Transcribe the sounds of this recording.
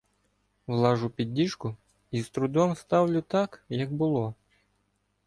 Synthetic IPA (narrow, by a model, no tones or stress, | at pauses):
wlˠɑʐʊpʲid̪ʲːiʃkʊ | izt̪ɾʊd̪ɔmst̪ɑwlʲʊt̪ɑkjɐɡbʊlˠɔ